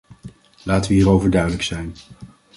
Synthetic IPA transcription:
laːtəʋəɦiːrowvəɹdœɥdələksɛjn

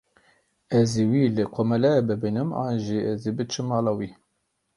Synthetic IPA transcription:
ɛziwiːlɨkʰomɛlɛbɨbinɨmɑ̰ːnʒiɛzibɨt͡ʃʰɨmɑːlɑwiː

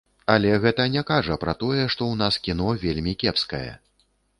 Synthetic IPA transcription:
ɐlʲɛɣɛt̪ɐnʲɛkaʐɐpɾɐt̪ɔjɛʂt̪ɔwn̪askʲinɔvʲelʲmʲikʲɛpskɐjɛ̰

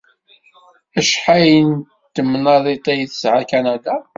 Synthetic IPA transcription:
æʃħajən | t̪ːəmːnɑðˤit̪ˤejθəsʕakænæd̪a

